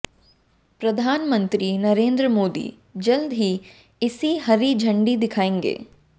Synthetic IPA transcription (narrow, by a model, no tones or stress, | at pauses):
pɾɐd̪ʱaːnmə̃nt̪ɾiːnɐɾẽːnd̪ɾəmoːd̪ḭː | d͡ʒɐld̪ɦi | ɪsiɦɐɾid͡ʒʱɐ̃ɳɖid̪ɪkʰaːẽːŋɡḛː